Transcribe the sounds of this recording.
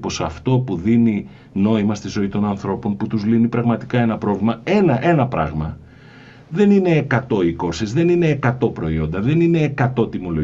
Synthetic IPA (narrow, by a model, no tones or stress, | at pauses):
po̞sɐft̪o̞puðini | no̞imɐst̪izo̞it̪o̞nɐnθɾo̞po̞nput̪uzlinipɾɐɣmɐt̪i̥kɐe̞nɐpɾo̞vlimɐe̞nɐʔe̞nɐpɾɐ̰ɣmɐ | ðe̞nine̞kɐt̪o̞iko̞ɾsizðe̞nine̞kɐt̪o̞pɾo̞io̞nd̪ɐðe̞nine̞kɐt̪o̞t̪imo̞lo